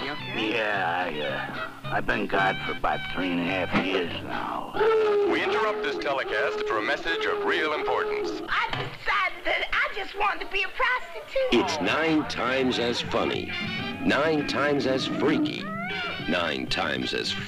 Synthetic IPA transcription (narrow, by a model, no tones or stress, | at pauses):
jæaɪʌ | aɪbɨ̃nɡɑd̥fə˞baɪθɹĩnɨhæfjɪɹzna̰ʊwiɪ̃ntə˞ʌp̚t̪̚ðɪstʰɛlˠɨkʰæstfə˞əmɛsɪd͡ʒʌvɹilˠə̃mpʰɔɹʔn̩saɪdɨssaɪd̪̚ðɨɾaɪd͡ʒʌst̚wɑ̃ntʰɨbiɨpʰɹ̥ɑstɨtʰʉɪtsnãɪ̃ntʰãɪ̃mzɨz̥fʌ̰nḭnãɪ̃ntʰãɪ̃mzɨz̥fɹikḭ | nã̰ɪ̃ntʰã̰ɪ̃mzɨ̰z̥